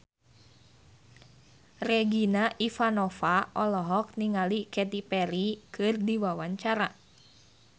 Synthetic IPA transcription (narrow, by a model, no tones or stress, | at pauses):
rɛɡinaʔifanɔfaʔɔlɔɦɔk̚niŋalikɛt̪ipɛɾikɨrdiwawaɲt͡ʃaɾa